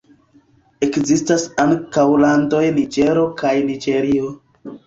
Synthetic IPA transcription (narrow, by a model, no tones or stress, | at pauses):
e̞kzistasaŋkawlando̞jnid͡ʒe̞ɾo̞kajnid͡ʒe̞ɾio